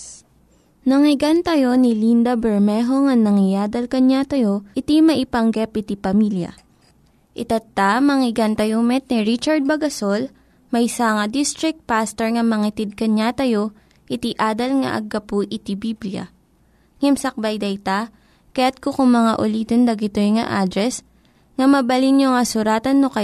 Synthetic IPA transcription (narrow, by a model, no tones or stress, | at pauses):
nɐŋɪɡɐnt̪ɐjo̞nɪlind̪ɐbɛɹmɛɦoŋɐŋnɐŋɪjaːd̪ɐlkɐɲat̪ɐjo̞ʔɪt̪imɐʔɪpɐŋɡɛp̚ɪt̪ipɐmiljɐ̰ | ʔɪt̪ɐt̪ːamɐŋɪɡɐnt̪ɐjomɛt̪̚niɹit͡ʃɐɹd̪̚bɐɡɐsol | mɐjsaːŋɐd̪ist̪ɾɪk̚t̪̚past̪ɛɹŋɐmɐŋɪt̪ɪd̪̚kɐɲat̪ɐjo̞ | ʔɪt̪iʔaːd̪ɐlŋɐ̰ʔɐ̰ɡːɐpuʔɪt̪ibibljɐ̰ | ŋɛmsɐk̚bɐjd̪ɐjt̪a | kɐjat̪̚kokʊŋmɐŋaʔʊliːt̪ond̪ɐɡɪt̪oŋɐ̰ʔaːd̪ɾɛs | ŋɐmɐbɐlinjoŋɐsʊɾaːt̪ɐnːokɐ